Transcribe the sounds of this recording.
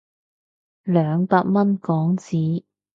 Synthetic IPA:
lœː˨˧ŋpaː˧t̚mɐ˥nkɔː˨˥ŋt͡siː˨˥

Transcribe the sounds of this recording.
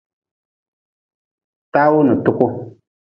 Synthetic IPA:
ta˦wʊ˦nu˨tʊ˦kʊ˦

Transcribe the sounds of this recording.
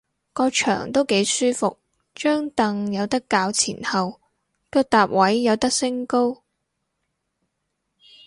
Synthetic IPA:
kɔː˧t͡ʃʰœ̰ː˨˩ŋt̪o˥wke˨˥jsyː˥fʊ˨k̚ | t͡ʃœː˥ŋt̪ɐ˨ŋjɐ˨˧wt̪ɐ˥kːaː˨˧wt͡sʰḭː˨˩nhɐ˨w | kœː˧k̚t̪aː˨p̚wɐ˨˥jːɐ˨˧wt̪ɐ˥k̚sɪ˥ŋko˥w

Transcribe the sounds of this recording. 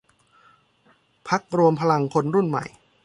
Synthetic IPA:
pʰa˦˥k̚ɾu˧əmpʰa˧la˧ŋkʰo˧nɾu˥˩nma̰˨˩j

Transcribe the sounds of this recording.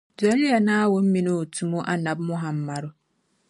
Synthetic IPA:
da˨˦ɾi˦a˨nãː˦a˦wɔ˨m̩˦mĩ˨nʊ̃˦o˨tʰu˨mũ˦ʔa˨nã˨bmʊ̃˦ɦã˨m̩˦˨ma˨ɾʊ˦

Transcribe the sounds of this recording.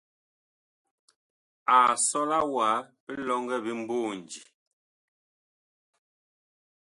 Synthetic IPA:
a˨sɔ˦la˦wa˨˦pɛ˦lɔ˦ŋɡɛ˦bi˦m̩˦boː˦˨n˨d͡ʒi˨

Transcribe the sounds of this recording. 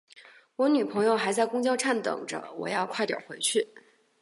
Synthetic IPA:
wɔ˧˥ny˨˩pʰɤ˧˥ŋjo˥˧ʊxa˧˥ɪt͡sa˥˧ɪkʊ˥ŋt͡ɕjɑ˥˧ʊʈ͡ʂʰa˥˩nt̪ɤ̰˨˩ŋʈ͡ʂə̰˦wɔ̰˨˩jɑ˥˧ʊkʰwa˥˩ɪt̪jɑ̰˨˩ʊxwe˧˥ɪt͡ɕʰy˥˩

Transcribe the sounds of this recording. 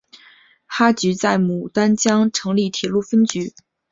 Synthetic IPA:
xa˥t͡ɕy˧˥t͡sa˥˩ɪmu˨˩t̪a˥nt͡ɕjɑ˥ŋʈ͡ʂʰɤ˧˥ŋli˥˩t̪ʰi˨˩lu˥˩fə˥nt͡ɕy˧˥

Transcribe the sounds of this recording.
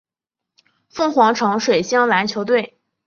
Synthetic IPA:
fɤ˥˩ŋxwɑ˧˥ŋʈ͡ʂʰɤ˧˥ŋʂwe˨˩ɪɕjɑ˥ŋla˧˥nt͡ɕʰjo˧˥ʊt̪we˥˩ɪ

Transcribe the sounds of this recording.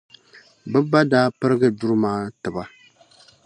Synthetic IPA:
bɨ˦ba˦daː˦pɨ˦ɾɨ˦ɡɨ˦du˦ɾɨ˦maː˦tɨ˨ba˨

